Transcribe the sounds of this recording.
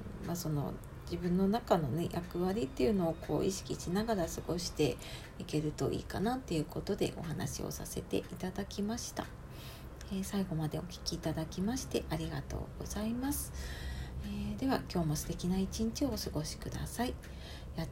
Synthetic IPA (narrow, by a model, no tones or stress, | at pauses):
maso̞no̞̰ | d͡ʑibɯ̟̃nːo̞nakano̞ne̞jʔakɯ̟βaɾʲit̪ːe̞jɯ̟no̞ːkʰo̞̰ːʔḭɕi̥kʲiɕinaɡaɾasɨɡo̞ɕi̥t̪e̞̰ | ike̞ɾɯ̟t̪o̞ʔḭːkanat̪ːe̞jɯ̟ko̞t̪o̞d̪e̞̰ʔo̞̰ɦana̰ɕḭo̰sa̰se̞̰t̪e̞̰ʔit̪ad̪akʲimaɕi̥t̪a̰ | eːsaiɡo̞mad̪e̞o̞kʲi̥kʲiːt̪ad̪akʲimaɕi̥t̪e̞̰ʔaɾʲiɡa̰t̪o̞̰ːɡ̥o̞̰z̥aimasɨ̥ | eːd̪e̞βakʲo̞ːmo̞sɨ̥t̪e̞kʲinait͡ɕĩɲ̟t͡ɕio̞ːsɨɡo̞ɕi̥kɯ̟d̪a̰sai | ja